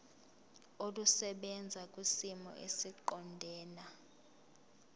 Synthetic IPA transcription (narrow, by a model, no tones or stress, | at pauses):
olusɛɓɛnd͡zʱak̬ʼwisimɔ̰ʔḛsiǃɔndʱɛːna